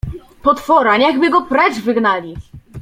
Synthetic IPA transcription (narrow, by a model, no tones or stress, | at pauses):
pɔt̪fɔɾaɲɛɣbɘɡɔpɾɛt͡ʂvɘɡnalʲi